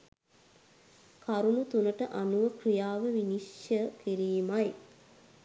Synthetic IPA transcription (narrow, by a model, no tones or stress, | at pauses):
kaɾunut̪unəʈəʔanuʋəkrijaːʋəʋiniʃjəkiɾiːmaj